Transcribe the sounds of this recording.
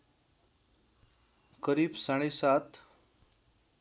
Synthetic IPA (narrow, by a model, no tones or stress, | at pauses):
kəɾiːbsaɽ̃esat̪